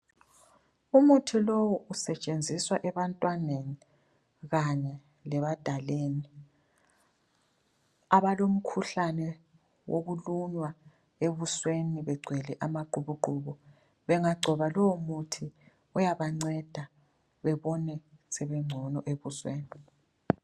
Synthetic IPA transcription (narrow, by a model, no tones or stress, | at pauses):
umutʰilowɔusɛt͡ʃʼend͡zʱiswaʔɛβantʼwaneni | ɣaɲɛ | lɛβad̥ʱaleːni | aβalom̩kʰuɬanɛ | wʔoɣuluɲwa | eβusweniβɛɡ͡ǀʱwɛlɛʔamaǃuβuǃʱuɣɔ | βɛŋaɡ͡ǀʱɔβalɔwumutʰi | ujaβaŋ͡ǀɛd̥ʱa | βɛβɔnɛsɛβɛŋ͡ǀʱɔnɔʔeβuswḛːni